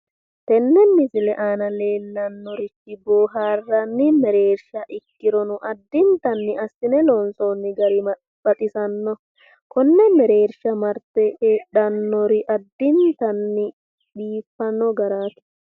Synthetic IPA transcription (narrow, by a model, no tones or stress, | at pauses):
t̪ɛnːɛnːɪsɪlɛʔaːnɐle̞ːlːɐnːɔɾɪtːɪboːɦaːrːɐnːɪmɛɾeːɾʃɐʔɪkːɪɾɔnʊʔɐd̪ːɪnt̪ɐnːɪʔɐsːɪnɛlɔnsoːnːɪɡɐɾɪ | bɐt̪ʼɪsɐnːɔ | kɔnːɛmɛɾe̞ːɾʃɐmɐɾt̪ɛʔeːɗɐnːɔɾɪʔɐd̪ːɪnt̪ɐnːɪ | ɗiːfːɐnːɔɡɐɾaːt̪ɪ̥